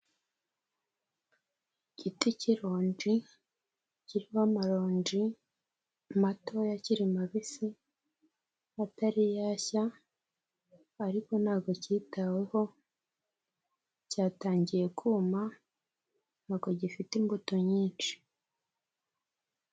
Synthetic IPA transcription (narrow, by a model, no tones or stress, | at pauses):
ɟ̥iticiɾoːnd͡ʒi | ciɾihamaɾo̞ːɲd͡ʒi | mato̞jaciɾimaβisi | ataɾijaça | ɾiko̞nhaːɡo̞ciːtawe̞ho̞ | caːtaːɲɟije̞kʰuma | naːɡo̞ɟifitimbuto̞ɲiːnt͡ʃi̥